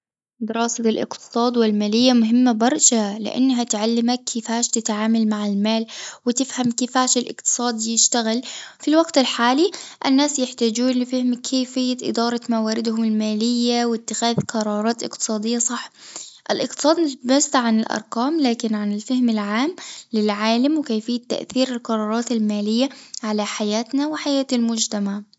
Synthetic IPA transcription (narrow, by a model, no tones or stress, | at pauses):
d̪ɪɾɑːsalʔɪ̰qt̪ɨ̥sˤɑːd̪wɪlmaːlɪjːamʊɦɪmːabɑɾˤʃalɪ̰ʔa̰nːɦat̪ʕalːɪmakʰːɪfaːʃt̪ɪt̪ʕaːmalmaʕɪlmaːlwɪt̪ɪfhamkɪfaːʃɪlʔɪ̰qt̪ɨ̥sˤɑːd̪jɪʃt̪aɣɪlfilwaɡt̪ɪlħaːliʔɪnːaːsjɪħt̪aːd͡ʒuːnlɪfɪhɪmkʰeːfɪjːaʔɪ̰d̪ɑːɾˤɑmawaːɾɪd̪hʊmɪlmaːlɪjːawɪt̪ːɪxaːðqɑɾˤɑːɾˤɑːt̪ʔɪ̰qt̪ɨ̥sˤɑːd̪ɪjːɑsˤɑħʔɪlʔɪq̚t̪ɨ̥sˤɑːd̪mʊbasːʕanɪlʔɑ̰ɾˤqɑːmlaːkɪnʕanɪlfɪhmɪlʕaːmlɪlʕaːlamwɪkajfɪjːat̪ːa̰ʔθiːɾɪlqɑɾˤɑːɾˤɑːt̪almaːlɪjːaʕalaħajaːt̪nawɪħajaːt̪almʊd͡ʒt̪amaʕ